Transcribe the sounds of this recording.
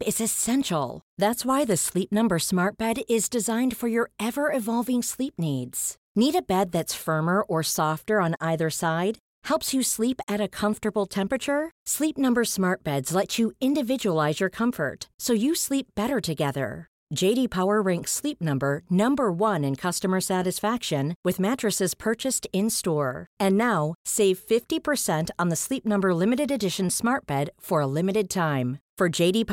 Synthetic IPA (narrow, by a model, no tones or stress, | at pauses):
ɪzɨsɛ̃nʃl̩ˠðætswaɪðɨslip̚nʌ̃mbə˞smɑɹt̚b̥ɛɾɪzdɨzãɪ̃nd̥fə˞jə˞ɛvə˞ɨvɑlˠvɪ̃ŋslip̚nidz̥ | niɾɨbɛd̪̚ðɨtsfɜ̃˞mə˞ʔə˞sɔftə˞ə̃naɪðə˞saɪd̚ | hɛlˠpsjɨslipɨɾɨkʰʌ̃ɱftə˞bl̩ˠtʰɛ̃mpɹɨt͡ʃə˞slip̚nʌ̃mbə˞smɑɹt̚b̥ɛdz̥lɛt͡ʃɨɪ̃ndɨvɪd͡ʒəəlaɪzjə˞kʰʌ̃ɱfə̰˞tsoʊjɨslip̚b̥ɛɾə˞ɾɨɡɛðə̰̥˞ | d͡ʒeɪɾipʰaʊə˞ɹɛ̃ŋkslip̚nʌ̃mbə˞nʌ̃mbə˞wʌ̃nɨ̃nkʰʌstəmə˞sæɾɨsfækʃɨ̃nwɨðmæt͡ʃɹ̥ɨsɨz̥pʰɜ˞t͡ʃɨstɪ̃nstɔɹɨ̃nːaʊseɪv̥fɪftipʰə˞sɛ̃ntn̩ðəslip̚nʌ̃mbə˞lɪ̃mɨɾɨɾɨdɪʃɨ̃n̩smɑɹt̚b̥ɛd̥fə˞əlɪ̃mɨɾɨd̚tʰãɪ̃mfə˞d͡ʒeɪɾip